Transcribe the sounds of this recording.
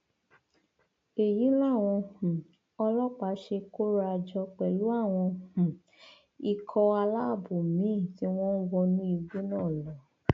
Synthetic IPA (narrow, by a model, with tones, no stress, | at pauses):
e˨ji˨˦la˦˨w̃ɔ̃˧hũ˨ | ɔ˧lɔ˦k͡pa˨˧˦ʃe˧ko˦ɾa˧d͡ʒɔ˧k͡pɛ˨lu˨˦a˦˨w̃ɔ̃˧hũ˨ | i˧kʰɔ˧a˧la˦˨bo˨mĩ˨˦˨ti˨˦w̃ɔ̃˦n̩˦wɔ˧nĩ˧˦i˧ɡ͡be˦nãː˦˨lɔ˨